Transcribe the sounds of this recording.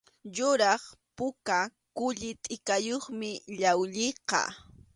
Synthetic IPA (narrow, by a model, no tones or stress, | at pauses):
jʊɾɑχpʊka | kʊʎɪt̪ʼɪkajoχmɪʎawʎɪqɑ̰